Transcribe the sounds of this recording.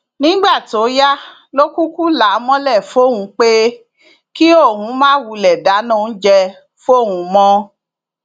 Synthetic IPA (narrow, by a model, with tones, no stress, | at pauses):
nĩ˦ɡ͡ba˦˨to˨˦ja˦ | lo˦ku˦ku˦la˨˦mɔ̃˦lɛ˦˨fo˦˨hũ˧˦k͡pe˦ | ki˦o˦˨hũ˨˦mãː˦wu˧lɛ˨da˨˦nã˦˨n̩˦d͡ʒɛ˧ | fo˦˨ũ˨˧mɔ̃˦